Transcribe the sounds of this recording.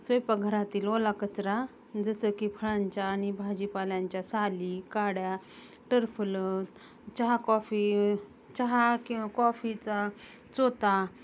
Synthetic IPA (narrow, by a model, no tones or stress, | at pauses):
sʋəjpaɡʱəɾat̪iːlolakət͡sɾa | d͡zəsəkipʰəɭãɲt͡ɕjaːñibʱad͡ʑipaljãɲt͡ɕjasaliːkaɽja | ʈəɾfələt̪ | t͡ɕaɦakɔfi | t͡ɕaɦakĩʋakɔfit͡sa | t͡sot̪a